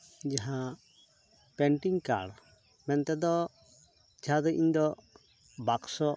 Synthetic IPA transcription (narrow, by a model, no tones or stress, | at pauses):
d͡ʒaɦã | pɛɳʈiŋka̰ɽ | mɛnt̪ɛd̪ɔ | d͡ʒaɦãd̪ɔʔḭɲd̪ɔ | baksɔ